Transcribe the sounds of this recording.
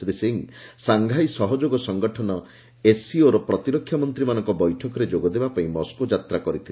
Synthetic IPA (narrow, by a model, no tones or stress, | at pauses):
ɾeseŋsaŋɡʱajsɔɦɔd͡ʒoɡɔsɔŋɡɔʈʰɔnɔ | esioɾɔpɾɔt̪iɾɔkʰːjamɔnt̪ɾimanɔŋkɔbɔjʈʰɔkɔɾed͡ʒoɡɔd̪ebapaĩmɔskod͡ʒat̪ɾakɔɾit̪ʰil